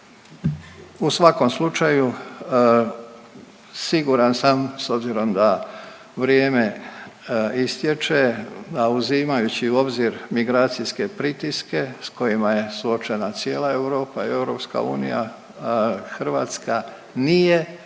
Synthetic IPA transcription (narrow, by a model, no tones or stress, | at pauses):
usʋako̞mslˠut͡ʃaju | siɡuɾansamso̞bziɾo̞md̪a | ʋɾjeːme̞ | ist̪jet͡ʃed̪auziːmajut͡ɕiuo̞bziɾmiɡɾaːt̪sijske̞pɾit̪iske̞sko̞jimaje̞suo̞t͡ʃe̞nat̪sje̞ːlˠae̞vɾo̞ːpaie̞wɾo̞pska̰ṵːnḭja̰ | xr̩ʋa̰ːt̪ska | nije̞